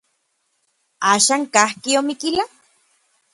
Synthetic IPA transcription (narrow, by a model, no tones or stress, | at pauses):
aːʃaːŋkahkiomikila